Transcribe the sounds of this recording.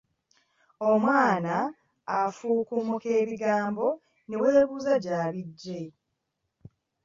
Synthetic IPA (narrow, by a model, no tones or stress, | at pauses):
o̞mwaːnaː | fuːkumuke̞ːβiɡaːmbo̞ | ne̞we̞ːβuːzaɟaːβiɟːe